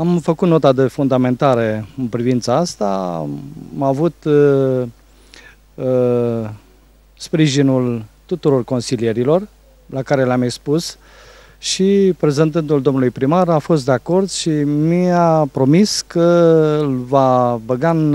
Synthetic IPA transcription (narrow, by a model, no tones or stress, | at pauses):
amfəkut̪no̞t̪ad̪e̞fund̪ame̞nt̪aɾeɨnpɾivint̪saast̪a | mavut̪ | spɾiʒinult̪ut̪uɾo̞rko̞nsilije̞ɾilo̞r | lakaɾe̞leamekspus | ʃipɾe̞ze̞nt̪ɨnt̪̬uld̪o̞mnulujpɾimaɾafo̞st̪d̪eako̞rd̪ʃimiapɾo̞miskəlvabəɡan